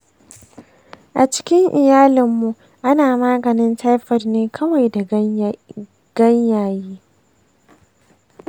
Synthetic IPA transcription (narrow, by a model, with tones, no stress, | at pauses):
ʔa˨t͡ʃɪ̥˦kʲɪ˦ŋʔɪ˨jaː˦lɪ˨mːu˨ | ʔa˦naː˨maː˦ɡɐ˨nɪ˦ntʰa˦jɸɐ˨rneː˦kʰɐ˦wa˨jda˨˦ | ɡ̥ɐ˦ɲjaː˨jiː˦